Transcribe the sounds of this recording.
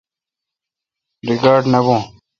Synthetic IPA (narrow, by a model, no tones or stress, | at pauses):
ɾiɡaːɾɖnɐbõː